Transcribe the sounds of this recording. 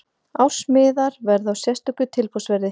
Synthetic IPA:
awr̥smɪːðaɾvɛɾðawsjɛst̪ʏkʏt̪ʰɪlpɔwsvɛɾðɪ

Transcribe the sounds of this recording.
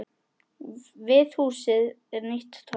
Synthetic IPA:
vɪðhuːsɪð | ɛɾnɪht̪t̪ʰɔ

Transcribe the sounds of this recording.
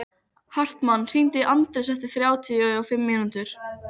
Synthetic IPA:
har̥t̪manːr̥int̪ɪʔant̪ɾɪsɛft̪ɪ̥θɾjaːwt̪ʰiʏɔfɪmːɪnʏnt̪ʏɾ̥

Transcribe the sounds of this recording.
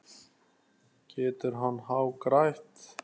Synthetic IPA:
cʰɛːt̪ʏɾɦanːɦawkɾajht̪

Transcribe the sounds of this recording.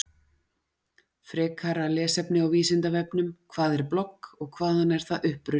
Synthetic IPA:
fɾɛːkʰaɾalɛːsɛpnɪawviːsɪnt̪avɛpnʏmkʰvaːðɛɾplɔkːɔɣkʰvaːðanɛɾ̥θaðʔʏhpɾʏ

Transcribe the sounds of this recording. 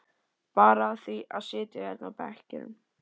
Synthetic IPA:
paːɾaːðθiaðsɪːt̪ɪɛt̪nawpɛhcɪ̰ɾɪ̰m

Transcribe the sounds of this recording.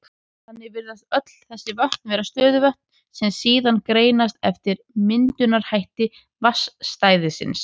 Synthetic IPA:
hanːɪvɪɾðaðœt̪lθɛsːɪvaht̪nvɛːɾast̪œːðʏvœht̪n | sɛmsiːðankɾeːjnast̪ɛ̰ft̪ɪɾ | mɪnt̪ʏnaɾ̥hajht̪ɪ | vasːt̪aːjðɪsɪ̰ns

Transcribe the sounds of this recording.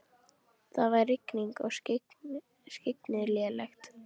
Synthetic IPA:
θaðvarɪkniŋkɔɣ | skcɪknɪljɛːlɛxt̪

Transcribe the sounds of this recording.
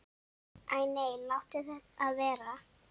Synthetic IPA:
ajnejlawt̪ɪθɛt̪aðvɛːɾa

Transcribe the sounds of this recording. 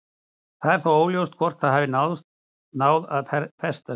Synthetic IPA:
θaðɛɾ̥θawoːwljowst̪kʰvɔr̥t̪θaðhavɪnawðst̪̚ | naːwðaðɛɾfɛst̪a

